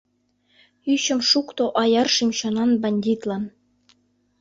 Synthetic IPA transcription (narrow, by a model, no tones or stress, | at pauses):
yɕɘ̆mʂukt̪oʔɑjɑrʂimɕɑnɑnbɑnʲdʲit̪lˠɑn